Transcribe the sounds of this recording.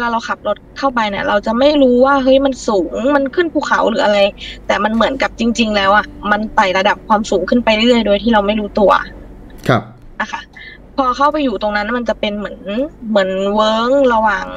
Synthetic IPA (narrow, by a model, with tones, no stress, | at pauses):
laː˧˩ɾa˧wkʰa˨˩p̚lo˦˥t̪̚kʰa˥˩wpa˧jni˧˩ɾa˧wt͡ɕa˨˩ma˥˩jɾuː˦˥waː˥˩ɦɤ˦˥jma˧nsuː˩˦ŋma˧nkʰɯ˥˩˨npʰuː˧˥˩kʰa˩˦wlɯː˩˦ʔa˧ɾa˧jt̪ɛː˨˩ma˧nmɯ˨˩˦ənka˨˩p̚t͡ɕi˧ŋt͡ɕi˧ŋlɛː˦˥wʔa˨˩ma˧nsa˨˩jla˧da˨˩p̚kʰwaː˧msuː˩˦ŋkʰɯ˥˩npa˧jɾɯ˥˩ɾɯ˥˩əjdoː˧jt̪ʰiː˥˩ɾa˧wma˥˩jɾuː˦˥t̪u˧ɐ̰ | kʰa˧p̚ | ʔa˧˩kʰa˦˧˩ | pʰɔː˧kʰa˥˩wpa˧jːuː˨˩t̪o˧ŋna˦˥nma˧nt͡ɕa˨˩pe˧nmɯ˩˦ənmɯ˩˦ənwɤː˦˥ŋla˧waː˨˩ŋ